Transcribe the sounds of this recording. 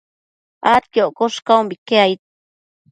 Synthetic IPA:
ʔat̪kjoʔkoʂkaumbikeait̪̚

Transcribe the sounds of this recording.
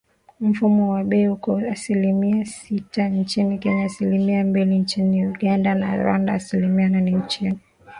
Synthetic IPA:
m̩fumɔwaɓɛihukɔasilimiasitant͡ʃinikɛɲaːsilimiambilint͡ʃiniuɠandana̰ɾwa̰ndaːsilimiananɛɲ̩t͡ʃɛ

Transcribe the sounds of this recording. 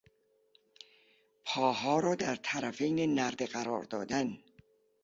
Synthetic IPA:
pʰɒːhɒːɾɒːd̪æɾt̪ʰæɾæfejnenæɾd̪eɢæɾɒ̰ːɾd̪ɒ̰ːd̪æn

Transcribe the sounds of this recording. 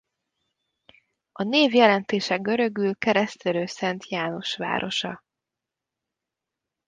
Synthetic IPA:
ɒneːvjɛlɛnt̪eːʃɛɡø̞ɾø̞ɡylkɛɾɛst̪øɾøːsɛnt̪ʰjaːno̞ʃʋa̰ːɾʔo̞̰ʃɒ̰

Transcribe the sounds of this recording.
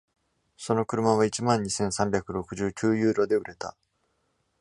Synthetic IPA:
so̞no̞kɯ̟ɾɯ̟maβ̞ait͡ɕimãɲ̟ːisẽ̞ɰ̃sãmbʲjakɯ̟ɾo̞kɯ̟ʑɨːkʲɨːjɯːɾo̞d̪e̞ɯ̟ɾʔe̞t̪a̰

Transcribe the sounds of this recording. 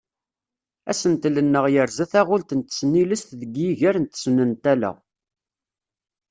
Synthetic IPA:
æ̰sənt̪lənːəʁjəɾzæθæʁʊlt̪nt̪ə̥sniləst̪ðəɡjiʝæɾnt̪ə̥snənt̪ælæ̰

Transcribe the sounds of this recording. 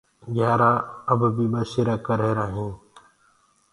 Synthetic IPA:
ɡʱjaːɾaːəbbiːbəsiɾaːkəɾɦeːɾaːɦĩː

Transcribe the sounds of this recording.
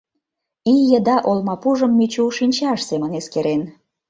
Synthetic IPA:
ijə̆d̪ɑʔolmɑpuʒə̆mːyt͡ɕuuʃinʲt͡ɕɑʃsemə̆neskeɾen

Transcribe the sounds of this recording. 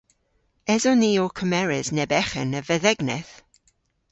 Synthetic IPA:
ɛzɔniːɔkʰəmɛɹɪznɛbɛχə̰nəvɛðɛɡnɛθ

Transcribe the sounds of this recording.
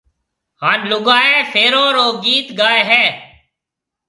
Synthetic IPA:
haːnlʊɠaːeːfʰeːɾoːɾoːɡiːt̪ɡaːeːɦɛː

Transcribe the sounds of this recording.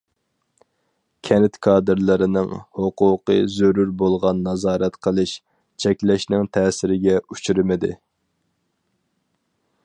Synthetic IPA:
kʲʰɛnɪt̪kʰɑːd̪ɨɾlˠɨɾɪnɪŋhoqʊːqɨzøɾuɾbolˠʁɑnːɑzɑːɾɛt̪qʰəlˠɨʃ | t͡ʃʰɛkʲlɛʃnɪŋt̪ʰɛːsɪɾɪɡʲɛut͡ʃʰyɾɪmɪd̪ɪ

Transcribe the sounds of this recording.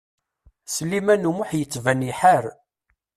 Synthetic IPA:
səlːimænumʊħjət͡sːvæniħaɾ

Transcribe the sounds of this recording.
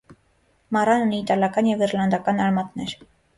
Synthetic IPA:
mɑɾɑnuniːt̪ɑljɑkɑnjɛviɾlɑnd̪ɑkɑnɑɾmɑt̪nɛɾ

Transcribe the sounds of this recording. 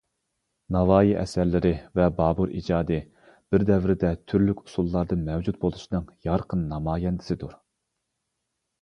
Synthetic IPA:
nɑwɑːjiʔɛ̰sæɾlɪɾɪvɛbɑːbuɾʔḭd͡ʒɑːd̪ɨ | b̥ɪɾd̪ɛvɾɪd̪ɛt̪ʰyɾlykʲu̥sulˠːɑɾd̪ɨmɛwd͡ʒut̪̚bolˠuʃnɨŋjɑɾqʰənːɑmɑːjɛnd̪ɪ̥sɪd̪uɾ

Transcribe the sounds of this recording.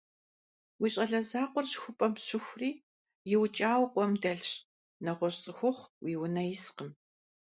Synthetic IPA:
wiːɕʼɐɮɐzaːqʷɔrɕxʷʊpʼɐmɕʊxʷʊriː | jɪwt͡ʃʼaːwqʷʼɔmdɐɮɕ | nɐʁʷɔɕt͡sʼɨxʷʊχʷwiːwʊnɐjɪsqəm

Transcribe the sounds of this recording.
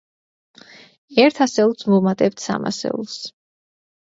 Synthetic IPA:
ɛɾt̪ʰasɛulˠsmumat̪ʼɛp̚t̪ʰsa̰ma̰sɛ̰ṵlˠs

